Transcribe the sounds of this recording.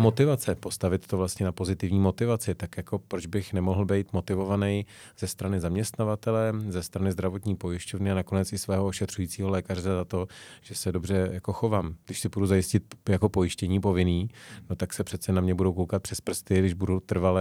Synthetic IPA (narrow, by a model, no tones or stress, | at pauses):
mo̞t̪ɪvat͡sɛpo̞st̪avɪt̪t̪ovlast̪ɲɛnapo̞zɪt̪ɪvɲiːmo̞t̪ɪvat͡sɪt̪akjako̞pɾod͡ʒbɪxnɛmoɦl̩bɛjt̪mo̞t̪ɪvo̞vanɛj | z̥ɛst̪ɾanɪzamɲɛst̪navat̪ɛlɛzɛst̪ɾanɪzd̪ɾavo̞t̪ɲiːpo̞jɪʃcovnɪanako̞nɛt͡sɪsvɛːɦooʃɛt̪r̥ujiːt͡siːɦo̞lɛːkarɛzat̪o̞ʒ̥ɛsɛdo̞brɛjako̞xo̞vaːmɡdɪʃsɪbuduzajɪscɪt̪̚jako̞po̞jɪʃcɛɲiːpo̞vɪniːno̞t̪aksɛpr̥ɛt̪t͡sɛnamɲɛbudowkowkat̪̚pr̥ɛspr̩st̪ɪɡdɪʒbudut̪r̩valɛ